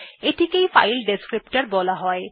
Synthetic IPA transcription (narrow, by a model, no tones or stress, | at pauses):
eʈʰikejfa̰jlɖeskɹipʈaɹbɔlaɦɔj